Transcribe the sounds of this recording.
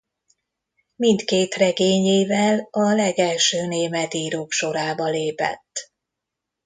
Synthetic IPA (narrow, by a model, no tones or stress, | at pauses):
mint̪keːt̪rɛɡeːɲeːvɛlɒlɛɡɛlʃøːneːmɛt̪iːɾoːkʃo̞ɾaːbɒleːpɛ̰t̪ː